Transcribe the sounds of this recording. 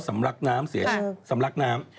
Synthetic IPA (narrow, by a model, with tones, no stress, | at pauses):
sa˩˦mɾa˦˥k̚naː˦˥msi˨˩˦ə˦sa˨˩˦mla˦˥k̚naː˦˥m